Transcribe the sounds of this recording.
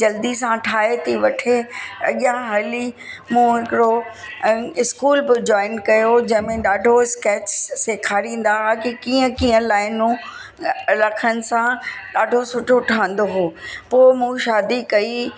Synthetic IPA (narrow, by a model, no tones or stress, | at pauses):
d͡ʑɐld̪isãʈʰaːet̪ʰiʋɐʈʰeɐ̰ɠjãɦɐlimũːɦɪkɪɾo | ɪskuːlbɪd͡ʑɔːɪnkɐjod͡ʑɐ̃ɦɪ̃mẽɗaːɖʱoɪskeːt͡ɕsekʰaːɾĩːn̆d̪aɦakikiːə̃kiːə̃laːɪnũ | lɐkʰənɪ̆sãɗaːɖʱosʊʈʰoʈʰaːə̃n̆d̪oɦoːpoːɪmũʃaːd̪ikɐi